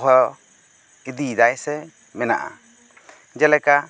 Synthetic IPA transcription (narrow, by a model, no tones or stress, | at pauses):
ɦɔ | id̪id̪ajsɛ | mɛna̰ʔa̰ | d͡ʒɛlɛka